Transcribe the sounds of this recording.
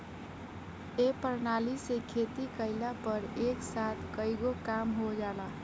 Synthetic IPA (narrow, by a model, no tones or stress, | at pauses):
epəɾnalisekʰet̪ikəɪlapəɾeksat̪ʰkəjɡokamɦod͡ʒala